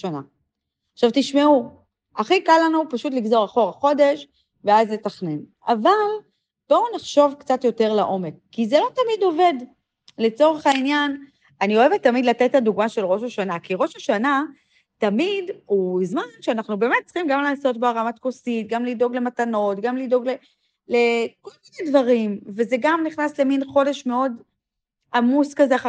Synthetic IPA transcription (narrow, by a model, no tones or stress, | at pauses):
ʃana̰ | aχʃavtiʃmeu | aχikalːanupaʃut̬liɡzo̞ʁaχo̞ʁaχo̞de̞ʃ | veazle̞taχnen | aval | b̥o̞naχʃo̞vkt͡satjo̞te̞ʁlaʔo̞me̞kːizelo̞tamido̞ve̞d | le̞t͡so̞ʁe̞χainjan | anio̞evetːamidlatetaduɡmaʃe̞lʁo̞ʃaʃanakiʁo̞ʃaʃana | tamiduzmanʃeanaχnube̞ːme̞t̚t͡sχimɡamlaːso̞t̚baʁamat̪kosit̚ɡamlido̞ɡle̞matano̞tɡamlido̞ɡle̞ | le̞ko̞lminedvaʁimve̞zeɡamniχnasle̞minχo̞de̞ʃme̞o̞d | amuskazeaχa